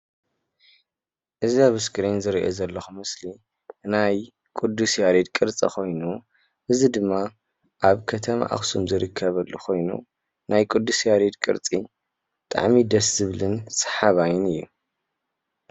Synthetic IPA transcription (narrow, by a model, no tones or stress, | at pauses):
ʔɨziaβɨskʰʼɨɾenzɨɾiʔozɐlːɐxumɨsli | naj | kʼud̪ːusjaɾid̪̚kʼɨɾt͡sʼɐ̰kʰo̞jnu | ʔɨzid̪ɨmːa | ʔaβkʰɐt̪ʰɐma̰ʔa̰xsumzɨɾɨkʰːɐβɐlːuxʰo̞jnṵ | najkʼud̪ːusjaɾid̪kʼɨ̰ɾt͡sʼi | t̪ʼa̰ʕmid̪ɐszɨβlɨnsɐ̥ħaβajɪnɨjːu